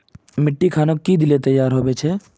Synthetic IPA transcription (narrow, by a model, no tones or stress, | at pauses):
mɪʈːikʰaːnokkːid̪ɪlet̪ɐjːaːɾɦoːbet͡ʃʰeː